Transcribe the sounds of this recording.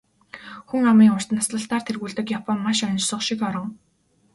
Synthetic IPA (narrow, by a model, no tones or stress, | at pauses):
xuŋamiːŋʊr̥t̪nasɮə̆ɬt̪aːr̥t̪ʰerɣuːɮt̪ɘ̆kjapʰɔmːaʃœnt͡ɕsʊχʃĭkɔɾɞ̆ŋ